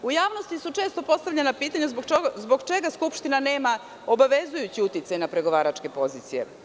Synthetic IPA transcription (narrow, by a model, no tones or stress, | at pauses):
ujaːʋnost̪isut͡ʃe̞ːst̪opo̞st̪aʋʎenapiːt̪aɲuzbɡzbo̞ɡt͡ʃe̞ɡaskupʃt̪inane̞ːma | o̞baʋezujut͡ɕiut̪it̪sajnapɾe̞ɡo̞ʋaːɾat͡ʃke̞po̞ziːt̪sije